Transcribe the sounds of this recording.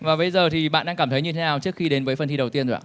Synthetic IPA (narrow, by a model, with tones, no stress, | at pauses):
vaː˨˩ɓə˧jzəː˨˩t̪ʰi˨˩ɓa̰ː˧˨nɗaː˧ŋkaː˧˩mt̪ʰə˨˦ɲɨ˧t̪ʰe˨˦naː˨˩wt͡ɕɨ˦˥ək̚xi˧ɗe˨˦nvəː˨˦jfə˨˩nt̪i˧ɗə˨˩wt̪i˧ənzʔa̰ː˧